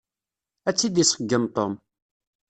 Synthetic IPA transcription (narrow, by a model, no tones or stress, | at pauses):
æt͡sːid̪isəɡːəmt̪ˤom